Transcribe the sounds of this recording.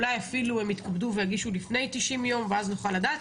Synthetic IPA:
lajafilue̞mit̪kabduvejaɡiʃulifne̞jt̪iʃimjo̞mveaznuχaladaːt

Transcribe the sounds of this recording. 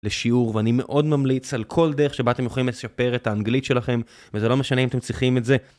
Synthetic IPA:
leʃiuʁveanime̞ʔo̞d̪mamlit͡salkʰo̞ld̪eʁeχʃebat̪emjoolimleʃape̞ʁet̪haːnɡlitʃe̞laχe̞m | vezelo̞me̞ʃaneimat̪emt͡sliχimetze

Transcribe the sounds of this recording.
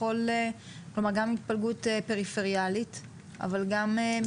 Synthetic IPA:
ole | klomaʁɡamit̪̚palɡutepe̞ʁifeʁijalit̪ | a̰valɡame

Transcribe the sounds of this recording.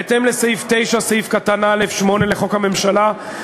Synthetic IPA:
et̪emlesajift̪e̞jʃasajifkat̪anaelefʃmo̞neleχo̞khame̞mʃala

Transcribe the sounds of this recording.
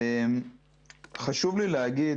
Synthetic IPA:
em | χaʃuvlilehaɡi

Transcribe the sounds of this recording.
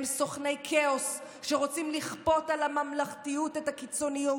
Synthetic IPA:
mso̞χnejkʰeos | ʃeʁo̞t͡simliχpo̞talamamlaχtijutethakit͡so̞niju

